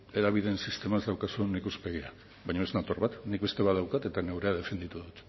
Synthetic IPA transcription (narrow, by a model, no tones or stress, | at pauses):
e̞ðaβ̞iðe̞nsist̪e̞maezd̪awkasuenikuspe̞ɣ̞ia | βajɲoeznat̪o̞ɾβat̪nik̚βe̞st̪e̞βaðawkat̪e̞t̪ane̞wɾe̞að̞e̞fe̞nd̪it̪uðut̪